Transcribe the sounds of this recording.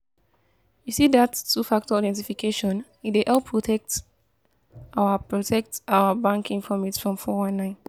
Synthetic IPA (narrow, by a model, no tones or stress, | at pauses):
jusidatʰːufak̚tɔɔdɛ̃ntifikʰeʃɔ̃n | ideʔɛlpʰɹɔtʰɛk̚t | aʊəpɹɔtʰɛk̚taʊəbãŋkĩŋfɔmitsfɹɔ̃mfɔwãnːãɪ̃n